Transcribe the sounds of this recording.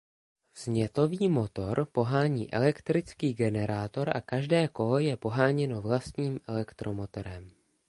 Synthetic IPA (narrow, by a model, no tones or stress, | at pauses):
z̥ɲɛt̪o̞viːmo̞t̪o̞ɾpo̞ɦaːɲiːʔɛ̰lɛkt̪ɾɪt͡skiːɡɛnɛɾaːt̪o̞ɾʔa̰kaʒdɛːko̞lɔjɛpo̞ɦaːɲɛno̞vlast̪ɲiːmʔɛlɛkt̪ɾo̞mo̞t̪o̞ɾɛm